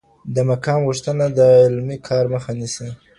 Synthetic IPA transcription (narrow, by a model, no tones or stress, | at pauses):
d̪əmakɑmɣuʂt̪ənad̪əɪlmikʰɑɾməxanisi